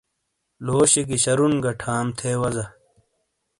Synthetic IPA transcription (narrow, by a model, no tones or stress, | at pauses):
loːɕikiɕɐɾunɡɐʈʰaːmt̪ʰeːwɐzɐ